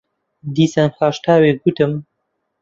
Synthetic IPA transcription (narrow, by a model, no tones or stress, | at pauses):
d̪iːsɐnxaːʃt̪aːweːɡut̪ɨm